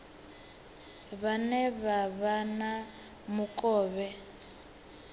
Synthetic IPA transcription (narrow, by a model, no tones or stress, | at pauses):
βanɛβaβana | mʊkʼɔːβɛ